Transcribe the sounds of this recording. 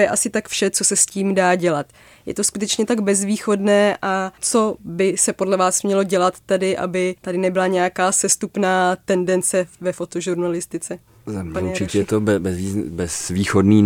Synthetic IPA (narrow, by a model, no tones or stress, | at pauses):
jɛʔasɪt̪akfʃɛt͡so̞sɛsciːmdaːɟɛlat̪ | jɛ̰t̪o̞skut̪ɛt͡ʃɲɛt̪aɡbɛzviːxo̞dnɛːʔʔat͡so̞bɪsɛpo̞dlɛvaːsmɲɛlo̞ɟɛlat̪ːɛdɪʔa̰bɪt̪adɪnɛbɪlaɲɛjakaːsɛst̪upnaːt̪ɛndɛnt͡sɛvɛfo̞t̪oʒuɾnalɪst̪ɪt͡sɛ | put͡ʃɪɛt̪obbɛzvibɛzviːxodniː